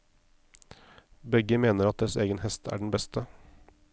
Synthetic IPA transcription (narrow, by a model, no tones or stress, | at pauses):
bɛɡəmeːnəɾɑt̪̚d̪ɛseːɡənhɛst̪ʰæ̰ːɖɳ̩bɛst̪ə